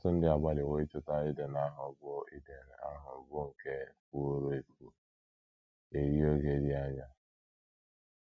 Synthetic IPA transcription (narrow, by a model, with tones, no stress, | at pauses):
sʊ˦n̩˦dɪ˦a˨ba˦lɪ˨we˦i˦t͡ʃʊ˦ta˦ɪ˦de˨n˨a˦ɦʊ˨ɡɔ˦i˦de˨n˨a̰˦ɦʊ˨ɡʊ˦ŋ̩˨ke˦k̚u˦o˦ɾo˦e˨ku˨ | e˨ɾi˦o˦ɡe˦dɪ˦a˦ɲa˨